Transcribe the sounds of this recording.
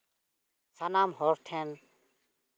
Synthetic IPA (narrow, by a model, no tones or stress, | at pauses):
sanaːmɦoɾt̪ʰen